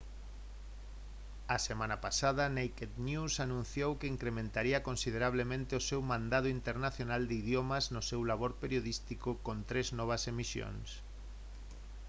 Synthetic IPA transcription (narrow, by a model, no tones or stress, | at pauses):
ɐsemãnɐpasað̞ɐnejked̪njusanũn̟θjowkeiŋkɾemẽnt̪aɾiɐkonsið̞eɾaβ̞lemẽnt̪eosewmãnd̪aðʊint̪eɾnaθjonald̪eiðjomɐznʊsewlaβoɾpeɾjoð̞ist̪ikʊkont̪ɾeznɔβ̞ɐsemisjo̰ŋs